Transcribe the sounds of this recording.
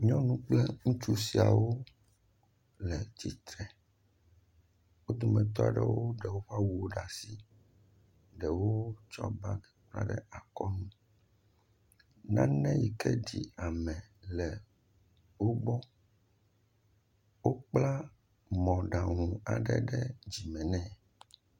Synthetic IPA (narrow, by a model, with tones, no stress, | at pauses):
ɲɔ̃˦nũ˦k͡plɛ˦ŋũ˦t͡ʃu˦si˨a̰˨wo˦ | lɛ˨t͡ɕi˨t̪ɾɛ˨ | wo˦d̪o˨mɛ̃˨t̪̬ɔ˦a̰˨ɖɛ̰˦wo˦ɖɛ˨wo˦ɸa˦wu˨wo˦ɖa˨si˦ | ɖɛ˨wo˦t͡ʃɔ̰˦ba˦ɡɛ˨k͡pla̰˦ɖɛ˦a˨kɔ˦nũ˦ | nã˦nɛ̃˦ji˨kɛ˦ɖi˨a˨mɛ̃˨lɛ˨ | wo˦bɔ˦ | wo˦k͡pla˦ | mɔ̃˨ɖa˨ŋũ˨a̰˨ɖɛ̰˦ɖɛ˦d͡ʑi˨mɛ̃˨nɛ̃˦˨